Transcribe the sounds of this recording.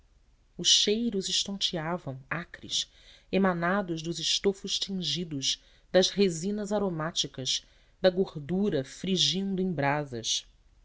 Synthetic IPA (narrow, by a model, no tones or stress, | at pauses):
ʊʃʃejɾʊzɪʃt̪õnt͡ʃiavɐ̃w̃akɾḭs | emanad̪ʊʒd̪ʊzɪʃt̪ofʊʃt͡ʃĩʒid̪ʊz | d̪ɐzhezĩnɐzaɾomat͡ʃikɐz | d̪ɐɡoɾd̪uɾɐfɾiʒĩnd̪ʊẽj̃bɾazɐ̰s